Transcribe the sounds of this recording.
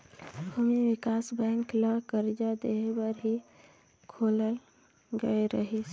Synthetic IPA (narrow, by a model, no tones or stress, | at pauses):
bʱumiʋikasbɛ̃ŋkləkəɾd͡ʒad̪eɦebəɾɦi | kʰoləl | ɡəeɾəɦit͡ʃ